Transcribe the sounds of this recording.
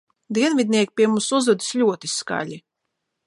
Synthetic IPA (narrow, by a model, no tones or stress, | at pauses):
d̪iɛnvid̪̚ʲnʲiɛkʲi̥pʲiɛmumsuzvud̪i̥slʲuɔt̪iska̰lʲi